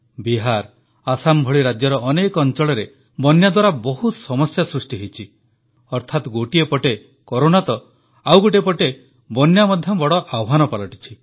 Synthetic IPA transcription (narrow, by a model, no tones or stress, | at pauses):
biɦaɾ | asambʱɔɭiɾad͡ʒjɔɾɔʔɔnekɔɔnt͡ʃɔɭɔɾe | bɔnjad̪waɾabɔɦut̪sɔmɔsjasɾusʈiɦejt͡ʃʰi | ɔɾt̪ʰat̪ɡoʈiepɔʈe | kɔɾonat̪ɔ | awɡoʈepɔʈe | bɔnjamɔd̪ʱjɔbɔɽɔʔawɦanɔpalɔʈi̥t͡ʃʰi